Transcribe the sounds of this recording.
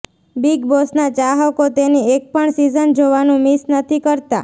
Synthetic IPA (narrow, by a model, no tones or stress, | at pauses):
biɡbosnat͡ʃaɦəkot̪eniek̚pəɳsizənd͡ʒoʋanũmisnət̪ʰikəɾt̪a̰